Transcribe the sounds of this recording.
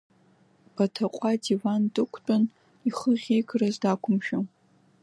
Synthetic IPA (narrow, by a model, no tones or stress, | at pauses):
b̥atʰaqʷʼadivandʼɨkʷʰt͡pʼʊn | iχəʁʲejɡrazdakʷʰʊmʃᶣaw